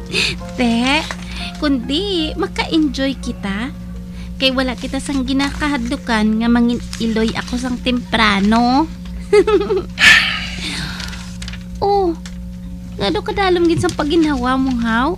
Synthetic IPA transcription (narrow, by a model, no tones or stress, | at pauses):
t̪ɛʔ | kʊnd̪ɪmɐkɐʔɪnd͡ʒojkɪt̪a | kɐjwɐlaʔkɪt̪asɐŋɡɪnakɐɦɐd̪lʊkanŋɐmɐŋɪn | ɪlojʔɐ̰kos̬ɐŋt̪ɛmpɾaːno | ʔo | ŋad̪okɐd̪aːlomɡɪns̬ɐŋpɐɡɪnawamʊɦaw